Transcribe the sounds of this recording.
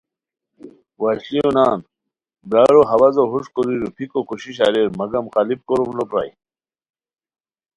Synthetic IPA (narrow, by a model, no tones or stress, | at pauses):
waɕlionaːn | bɾaːɾoɦɐwɐzoɦuʂkoɾiɾupʰikokuɕiɕ̬aɾeɾmɐɡɐmqalip̚koɾumlopɾa̰j